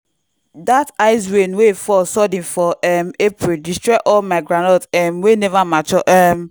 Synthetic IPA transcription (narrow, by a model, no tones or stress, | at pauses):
dataɪswenwefɔsɔdĩnfɔʔɛmepɹildistɹɛʔɔlmaɪɡɹãnɔtɛmwenɛvamat͡ʃɔʔɛm